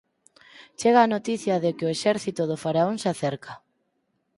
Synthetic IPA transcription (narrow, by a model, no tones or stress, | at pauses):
t͡ʃeɣaːnot̪iθjɐðekɪoeʃɛɾθit̪oðofaɾaoŋsaθɛɾkʰa